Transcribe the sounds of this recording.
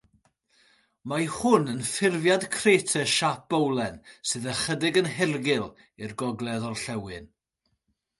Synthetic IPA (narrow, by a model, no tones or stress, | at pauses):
mahʊnənfɪrvjadkʰreːtʰəʃap̚b̥owlˠɛnsɨðəχədɪɡənhɛrɡɪlˠ | irɡɔɡlˠɛðɔrɬɛwɨn